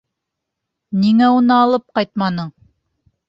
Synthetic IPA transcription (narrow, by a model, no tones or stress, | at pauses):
niŋæunɤɑlˠɤp̚qɑjt̪̚mɑnɤ